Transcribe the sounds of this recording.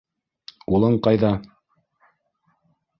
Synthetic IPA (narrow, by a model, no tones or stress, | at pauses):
ulˠɤɴqɑjðɑ